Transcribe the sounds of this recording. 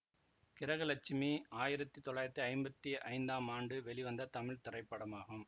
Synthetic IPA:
kɪɾɐɣɐlɐt͡ʃːɪmiaːjɪɾɐt̪ːit̪ɔɭaːjɪɾɐt̪ːiɐɪmbɐt̪ːiʔɐ̰ɪnd̪aːmaːɳɖɯʋɛɭiʋɐnd̪ɐt̪ɐmɪɻt̪ɪrɐɪpːɐɽɐmaːɣɯm

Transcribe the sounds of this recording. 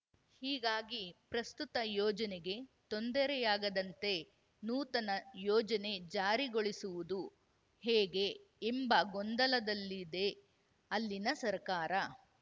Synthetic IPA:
hiːɡaːɡipɾɐst̪ut̪ɐjɔːd͡ʒɐneɡe̞t̪ond̪ɐɾɛjaːɡɐd̪ɐnt̪e̞ | nuːt̪ɐnɐjɔːd͡ʒɐne̞d͡ʒaːɾiɡoɭisuʋud̪u | heːɡe̞ːmbɐɡɔnd̪ɐlɐd̪ɐlːid̪e̞ | ɐlːinɐsɐɾkaːɾɐ

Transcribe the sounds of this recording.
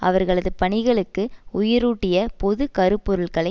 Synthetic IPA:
ʔɐ̰ʋɐɾɣɐɭɐðɯpɐɳɪɣɐɭɯkːɯʊjɪɾuːʈːɪjɐpɔðɯkɐɾɯpːɔɾɯɭkɐɭɐ

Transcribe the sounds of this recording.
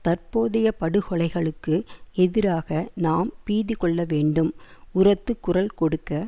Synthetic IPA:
t̪ɐrpoːðɐjɐpɐɽɯɣɔɭɐɪɣɐɭɯkːɯɛðɪɾaːɣɐnaːmpiːðɪkɔɭːɐʋeːɳɖɯmʊrɐt̪ːɯkːʊrɐlkɔɽɯkːɐ

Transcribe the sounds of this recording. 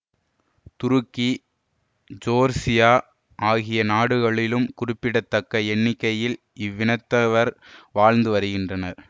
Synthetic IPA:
t̪ʊɾɯkːi | d͡ʒoːɾsɪjaː | ʔaːɣɪjɐnaːɽɯɣɐɭɪlɯmkʊrɪpːɪɽɐt̪ːɐkːɐɛɳːɪkːɐjɪl | ɪʋːɪnɐt̪ːɐʋɐɾʋaːɻnd̪ɯʋɐɾɯɣɪndrɐnɐɾ

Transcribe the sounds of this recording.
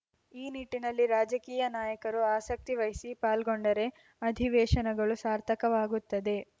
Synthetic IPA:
iːniʈːinɐlːiɾaːd͡ʒɐkiːjɐnaːjɐkɐɾuaːsɐk̚t̪iʋɐjsipaːlɡoɳɖɐɾe̞ | ɐd̪ʱiʋɛːʃɐnɐɡɐɭusaːɾt̪ʰɐkɐʋaːɡut̪ːɐd̪e̞

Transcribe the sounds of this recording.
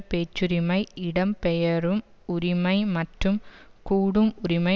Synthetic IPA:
peːt͡ʃːuɾimɐɪɪɽɐmpɛjɐrɯm | ʊɾimɐɪmɐʈrɯmkuːɽɯmʊɾimɐ

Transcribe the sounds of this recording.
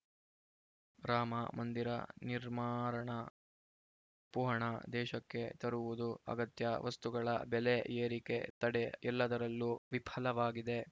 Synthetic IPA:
ɾaːmɐmɐnd̪iɾɐ̰niɾmaːɾɐɳɐ | puːɦɐɳɐd̪ɛːʃɐkːe̞t̪ɐɾuʋud̪uɐ̰ɡɐt̪jɐʋɐst̪uɡɐɭɐ̰bɛleeːɾike̞̰t̪ɐɽeɛlːɐd̪ɐɾɐlːuʋipʰɐlɐʋaːɡid̪e̞

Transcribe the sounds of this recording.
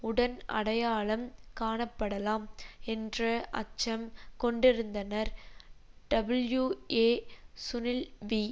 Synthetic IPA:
ʊɽɐnɐ̰ɽɐjaːɭɐmkaːɳɐpːɐɽɐlaːmɛndrɐʔɐ̰t͡ʃːɐmkɔɳɖɪɾɯnd̪ɐnɐɾ | ɖɐbɐljueːsʊnɪlʋi

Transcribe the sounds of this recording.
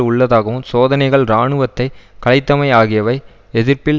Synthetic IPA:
ʊɭːɐðaːɣɐʋɯmsoːðɐnɐɪɣɐɭɾaːɳɯʋɐt̪ːɐɪkɐɭɐɪt̪ːɐmɐɪaːɣɪjɐʋɐɪ | ɛðɪɾpɪl

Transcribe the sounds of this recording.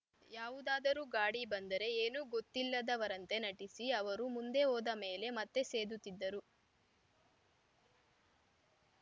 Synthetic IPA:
jaːʋud̪aːd̪ɐɾuːɡaːɽibɐnd̪ɐɾe̞eːnuːɡot̪ːilːɐd̪ɐʋɐɾɐnt̪e̞nɐʈisiɐʋɐɾumund̪e̞oːd̪ɐme̞ːle̞mɐt̪ːe̞se̞ːd̪ut̪ːid̪ːɐɾu

